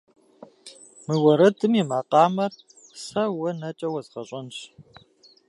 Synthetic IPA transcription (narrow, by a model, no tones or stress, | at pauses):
mɨwɐɾɐdɨmimaːqɑːmɐr | sɐwɐnɐt͡ʃʼɐwɐzʁɐɕʼɐnɕ